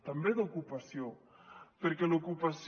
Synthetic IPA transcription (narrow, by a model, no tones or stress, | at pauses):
t̪ambeðokupasjo | peɾkelokupas